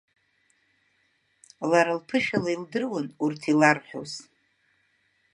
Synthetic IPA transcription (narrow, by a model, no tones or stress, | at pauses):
laɾalpʰɨʃᶣalaildɨrwanurtʰilarħʷᶣo̰z